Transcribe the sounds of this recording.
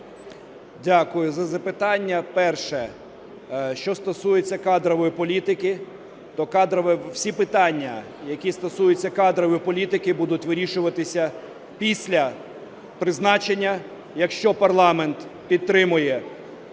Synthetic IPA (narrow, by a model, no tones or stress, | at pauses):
dʲakʊjʊzɐzɐpɪt̪ɑnʲːɐpɛrʃɛ | ʃt͡ʃɔst̪ɔsujet͡sʲːɐkɑd̪ɾɔʋɔjipɔlʲit̪ɪkɪ | t̪ɔkɑd̪ɾɔʋɛwsʲipɪt̪ɑnʲːɐ̰ | jɐkʲist̪ɔsujʊt͡sʲːɐkɑd̪ɾɔʋjpɔlʲit̪ɪkɪbud̪ʊtʲʋɪɾʲiʃʊʋɐt̪ɪsʲɐ | pʲisʲlʲɐ | pɾɪznɑt͡ʃenʲːɐ | jɐkʃt͡ʃɔpɐrlˠɑment̪pʲidt̪̚t̪ːɾɪmʊjɛ